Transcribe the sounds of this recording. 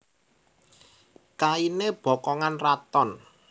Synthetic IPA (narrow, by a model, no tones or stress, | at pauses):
kaineb̥ɔ̤kɔŋanrat̪ɔn